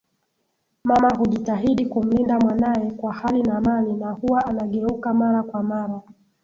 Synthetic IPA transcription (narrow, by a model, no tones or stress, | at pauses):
mamaɦuʄitaɦiɗikum̩lindamwanajɛkwahalinamalinahuwaːnaɠɛukamaɾakwamaɾa